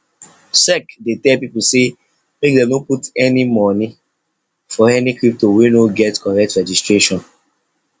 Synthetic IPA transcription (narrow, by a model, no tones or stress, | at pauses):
sɛkdetɛlpiplse | mek̚dɛ̃nõputɛnimɔni | fɔɛnikɹip̚towinoɡɛtkɔɹɛk̚tɹɛd͡ʒistɹeʃɔ̃n